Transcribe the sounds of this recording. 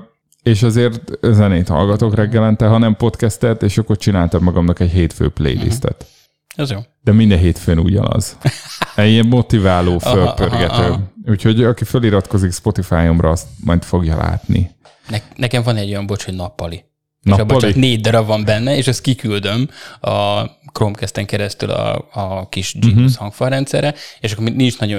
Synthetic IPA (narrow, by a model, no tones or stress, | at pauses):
eːʃɒzeːrt̪zɛneːt̪hɒ̰lɡɒt̪oːkrɛɡːɛlɛnt̪ɛɦɒnɛmpo̞t̪kɛst̪ɛt̪eːʃɒkːort͡ʃinaːlt̪ɒmmɒɡɒmnɒkɛɟɦeːt̪fø̰ːplḛjlḭst̪ɛ̰t̪ | ɛzjoːd̪̥ɛmind̪ɛɦeːt̪føːnṵɟɒ̰nɒ̰z̥ | ɛiɛmːo̞t̪ivaːloːfølpørɡɛt̪øːuːcʰho̞ɟɒkiføliɾɒt̪ko̞zikspo̞t̪ifaːjomrɒɒst̪mɒjt̪fo̞ɡjɒla̰ːt̪nḭ | nɛnɛkɛɱvɒnɛɟːo̞jɒmbo̞t͡ʃhoɟnɒpːɒli | neʃɒbot͡ʃkneːɟ̚d̪ɒɾɒvɒmbɛnːɛeːʃɛst̪̚kikyld̪ø̞mɒkromkɛst̪ɛŋkɛɾɛst̪y̰lɒ̰ːkiʃd͡ʒishɒŋkfɒrɾɛnt̪sɛɾɛeʃɒkːominint͡ʃnɒɟo